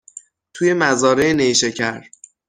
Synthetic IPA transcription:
t̪ʰuje̞mæzɒːɾeeneʃecʰæɾ

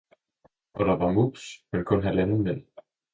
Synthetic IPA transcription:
ʔɒ̽d̥ɑ̈ʋɑ̈mub̥smenkʰɔ̽nɦælænəmen̰

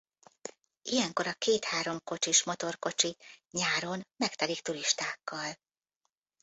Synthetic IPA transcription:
ijɛŋko̞ɾɒkeːt̪haːɾo̞mko̞t͡ʃiʃmo̞t̪o̞rko̞t͡ʃiɲaːɾo̞nmɛkt̪ɛlikt̪uɾiʃt̪aːkːɒl

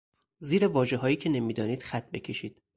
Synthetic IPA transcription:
ziːɾe̞vɒːʒeɦɒːjiːcʰe̞ne̞miːd̪ɒːniːd̪̥xæt̪̚ʰbe̞cʰe̞ʃiːd̪̥

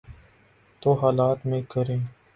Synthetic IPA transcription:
t̪oːɦaːlaːt̪mẽːkəɾẽː

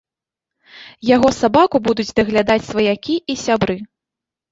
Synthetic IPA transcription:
jaɣɔsabakubud̪ud͡zʲd̪ɐɣlʲad̪at͡sʲsvɐjakʲiʔisʲabɾɨ

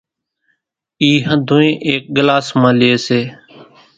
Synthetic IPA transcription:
iːɦə̃d̪ʱõːẽːʔeːk̚ɠɪlaːsmãːlɪeːseː

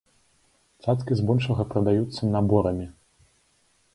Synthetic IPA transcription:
t̪sat̪kʲizbɔlʲʂɐɣɐpɾɐd̪ajut̪sːɐnabɔɾɐmʲi

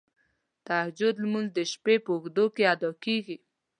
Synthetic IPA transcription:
t̪ahd͡ʒʊd̪lmunzd̪əʃpepəxd̪okead̪ɑkeɡi

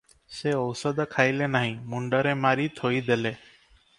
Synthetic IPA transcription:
seɔwsəd̪kʰajlenaɦĩmuɳɖəɾemaɾit̪ʰoid̪ele

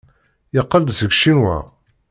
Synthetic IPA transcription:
jəqːəld̪səɡʃinwæ̰

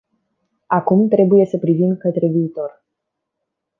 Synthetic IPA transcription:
akumt̪ɾe̞buje̞səpɾivimkət̪ɾe̞viːt̪o̞r

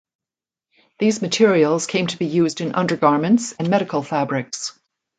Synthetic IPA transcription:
ðizmɨtʰɪɹil̩ˠz̥kʰẽɪ̃mtʰəbijʉzdɨ̃nʔʌ̰̃ndə˞ɡɑɹmɨ̃ntsɨ̃nmɛɾɨkl̩ˠfæbɹɪks

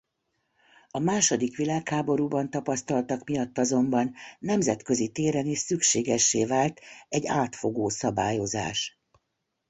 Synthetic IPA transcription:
ɒmaːʃo̞d̪ikʋilaːkhaːbo̞ɾuːbɒnt̪ɒpɒst̪ɒlt̪ɒkmijɒt̪ːɒzo̞mbɒnːɛmzɛt̪kø̞zit̪eːɾɛniʃsykʃeːɡɛʃːeːvaːlt̪ɛɟaːt̪fo̞ɡoːsɒbaːjo̞za̰ːʃ

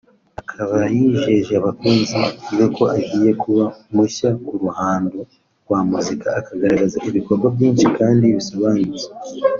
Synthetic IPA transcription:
akʰaβajiʒe̞ʒeaβakuːnziekʰo̞ʔaɡiːje̞kʰuβamuɕauɾuhaːndo | ɾɡwaːmuzikaːkaɡaɾaɡazaʔiβiko̞ɾɡwabjiːnʃikaːndiβisoβaːnuze

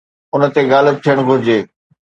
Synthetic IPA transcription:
ʊnə̆t̪eɡaːləb̚t̪ʰijəɽ̃ɡʱʊɾɪd͡ʑeː

